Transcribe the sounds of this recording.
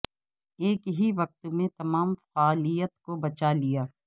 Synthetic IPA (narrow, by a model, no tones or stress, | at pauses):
eːkɦiʋɐq̚t̪mẽt̪ɐmaːmfaːlijət̪kobɐt͡ʃalijaː